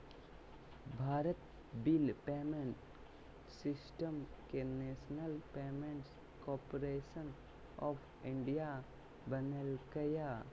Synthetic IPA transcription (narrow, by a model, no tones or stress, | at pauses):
bʱaːɾət̪ | bɪlpeːmẽɳʈ | sɪsʈəmkeneːsnəlpeːmẽɳʈs | kɔːpoɾeːʃən | ɔːpʰ | ɪ̃ɳɖija | bənelkja